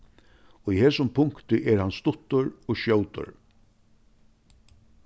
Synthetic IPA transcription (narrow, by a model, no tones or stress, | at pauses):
ɔihɛːsʊmpʰʊŋkt̪ɪʔɛɾhanst̪ʊt̪ːʊɹɔːɣʃjoːwt̪ʊ̰ɹ